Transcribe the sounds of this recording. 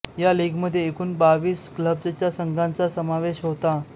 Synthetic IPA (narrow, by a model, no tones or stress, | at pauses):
jaliɡməd̪ʱːjeːkuːnbaʋiːskləb̚d͡zət͡ɕjasəŋɡãnt͡sasəmaʋeɕɦot̪a